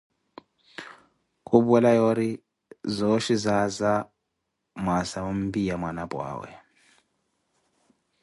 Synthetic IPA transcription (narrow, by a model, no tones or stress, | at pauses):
kʼuɓɛlajɔɾi | zɔʃizaza | mwasaum̩bijamwanabwa̰ːwɛ̰